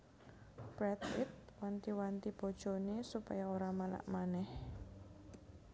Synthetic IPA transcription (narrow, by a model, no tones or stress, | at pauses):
b̥ɾɛt̪ɪt̪̚want̪iwant̪ib̥o̤d̥ʒ̥o̤nesupa̰jaoɾamala̰ʔmanɛh